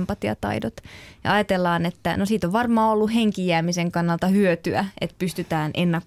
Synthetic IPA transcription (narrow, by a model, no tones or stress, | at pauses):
mpɑt̪jɑ̰t̪ɑ̰idot̪jɑ̰ɑjɑt̪elːɑːnet̪ːænosiːt̪oʋʋɑrmɑːolːuheŋkijæːmiseŋkɑnːɑlt̪ɑhyøt̪yæḛt̪pyst̪yt̪æːnʔenːɑk